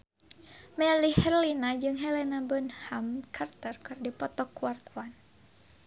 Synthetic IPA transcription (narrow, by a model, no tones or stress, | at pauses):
mɛlihɛrlinad͡ʒɨŋɦɛlɛnabənhamkʰart̪ərkɨrdipɔt̪ɔkuwart̪wan